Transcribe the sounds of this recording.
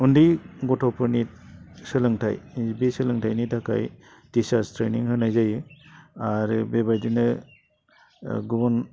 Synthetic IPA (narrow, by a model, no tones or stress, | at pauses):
undiɡɔtʰɔwpʰɯɾnit̚sɯlɯŋtʰa̰jbisɯlɯŋtʰajnitakʰa̰j | disastʰɾeniŋhɯnajzajɯaɾɯbebajdinɯ | ɡubun